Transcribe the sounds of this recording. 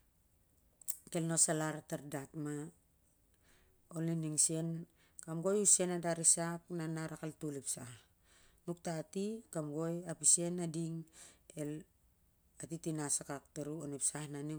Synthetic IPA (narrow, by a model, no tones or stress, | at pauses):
ke̞lno̞salaɾataɾdatma | oliniŋsie̞n | kamɡo̞juse̞nadaɾisak̚nanaɾakaltulipsah | nuk̚tatikamɡo̞japisie̞nadiŋe̞l | atitinasakak̚taɾuonepsahnani